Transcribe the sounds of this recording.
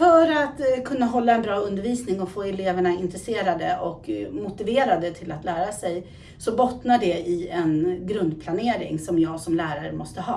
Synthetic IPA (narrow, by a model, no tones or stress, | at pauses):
fœɾat̪kʰɵnːaɦɔlːaɛnbɾɑːɵnd̪əɾviːsnɪŋɔfoːɛleːvəɳaɪnt̪ɾɛseːɾad̪əɔkmʊt̪ɪveːɾad̪ət̪ʰɪlat̪læːɾasɛj | sɔbɔt̪naɖɛɪɛnɡɾɵnd̪̚pʰlaneːɾɪ̰ŋsɔmjɑːɡsɔmlæːɾaɾəmɔst̪əhɑ̰ː